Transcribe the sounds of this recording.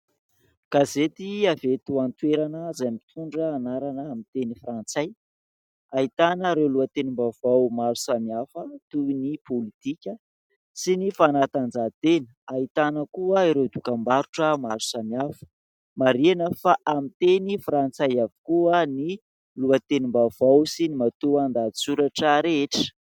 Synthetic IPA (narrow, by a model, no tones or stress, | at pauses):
kazet̪iavet̪uant̪weɾanəzajmit̪ʰuɳɖ͡ʐəːnaɾanəːmint̪enifrant͡saj | ait̪anəɾewluət̪enimbavawmaɾusamiafət̪uinipʰolit̪ikʲə | sinifanat̪and͡zat̪enəait̪anəkuəiɾed̪ukambaɾuʈ͡ʂəmaɾusamiafə̥ | maɾenəfaʔamit̪enifrant͡sajavi̥kuəni | luat̪enimbavawsinimat̪uand̪asuɾaʈ͡ʂəɾeeʈ͡ʂə̥